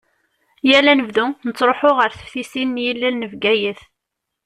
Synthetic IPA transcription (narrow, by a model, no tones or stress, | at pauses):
jælænəvðunət͡sːɾˤoħʊʁəɾθə̥fθisinːjilːælnəvɡæjəθ